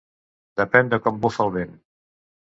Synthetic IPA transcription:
d̪əpɛnd̪əkɔmbofalˠβen

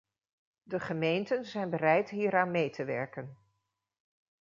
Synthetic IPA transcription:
dəχəmejntənzɛjnbərɛjtɦiːɾaːnmejtəʋɛ̰ɹkən

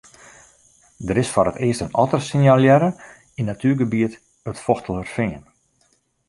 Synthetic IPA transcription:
dəɾɪsfɔrətɪəstənɔtərsɪnjalˠjɛɾə | inːatʰyːɡəbiət | ətfɔxtəl̩ˠərfɪːən

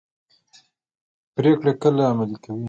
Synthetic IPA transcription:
pɾekɽekəlaːmalikawi

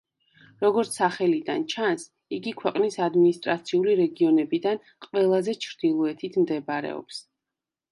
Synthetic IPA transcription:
ɾɔɡɔɾt̪sʰaχɛlid̪a̰nt͡ʃʰans | iɡikʰwɛqʼnisad̪minist̪ʼɾat̪sʰiuliɾɛɡiɔnɛbid̪an | qʼvɛlˠazɛt͡ʃʰɾd̪̥ilˠɔɛt̪ʰit̪ʰmd̪ɛbaɾɛ̰ɔ̰ps

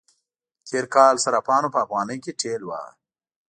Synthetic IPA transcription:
t̪ʰeːɾkaːlsɐɾapaːnopɐːfɣaːnɐjkeʈʰeːlwa̰ː

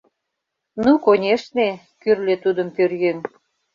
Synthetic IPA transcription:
nukonʲeʃne | kyrlet̪ud̪ə̆mpørjen

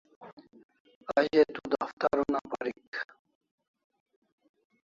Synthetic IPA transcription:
aɕet̪ud̪aft̪aɾunapaɾik

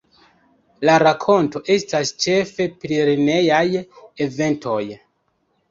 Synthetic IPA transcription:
laɾakʰo̞nto̞ʔe̞stast͡ʃe̞fe̞pɾiɾine̞jajeve̞ntʰo̞j

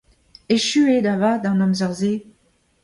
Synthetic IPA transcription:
eʃyed̪avad̪ɑ̃nɔmzœʁze

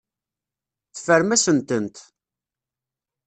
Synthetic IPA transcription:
θfəɾmæsənt̪ənt̪

